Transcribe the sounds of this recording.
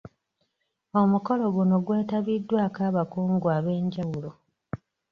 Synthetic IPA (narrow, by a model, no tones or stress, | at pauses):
o̞muko̞lo̞ɡuno̞ɡwe̞ːtaβidːwaːkaːβakuːŋɡuaːβe̞ːɲɟawulo̞